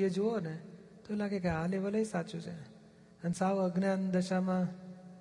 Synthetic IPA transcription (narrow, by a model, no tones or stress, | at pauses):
ed͡ʒoone | t̪oelaɡekealeʋələisat͡ʃũt͡ʃʰe | ənsaʋəɡnand̪əʃamã